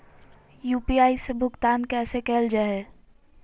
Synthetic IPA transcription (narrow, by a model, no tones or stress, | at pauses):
juːpiaːisebʱʊkt̪aːnkɛːsekeːld͡ʒaɛ